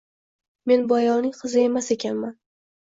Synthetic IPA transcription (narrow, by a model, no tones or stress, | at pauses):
me̞nbɒjɒnɪŋqʰɨzɪe̞mase̞kʲʰanman